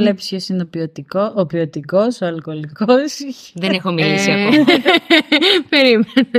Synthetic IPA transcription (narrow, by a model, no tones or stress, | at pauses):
lepspʰço̞sinopiot̪ikoopiot̪iko̞soɐlko̞likosðenexomilisiɐo | peɾimen